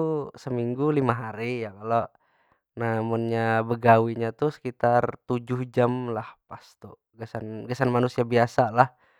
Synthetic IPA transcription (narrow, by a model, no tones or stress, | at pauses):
usəmiŋɡulimaɦaɾijakalo | namʊnɲabəɡawiɲat̪usə̥kit̪art̪ud͡ʒʊhd͡ʒamlahpast̪u | ɡəsanɡəsanmanusiabiasalah